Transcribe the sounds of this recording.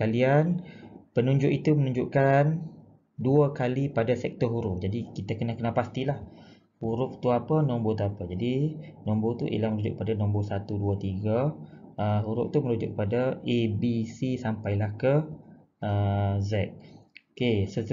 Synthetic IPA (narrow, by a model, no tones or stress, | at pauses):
kalianpənũɲd͡ʒʊʔit̪umənũɲd͡ʒuʔkan | duəkalipadasɛk̚t̪ɔɦuɾuʔd͡ʒadikit̪akənakənapast̪ilah | huɾʊʔ̚t̪uapənɔmbot̪uapəd͡ʒadinɔmbot̪ṵʔḭlaməɾud͡ʒʊ̰ʔk̚əpadanɔmbosat̪uduat̪iɡəəɦuɾʊ̰ʔ̚t̪uməɾud͡ʒʊ̰k̚ːəpadaebisisampajlahkə | əzɛk̚okesə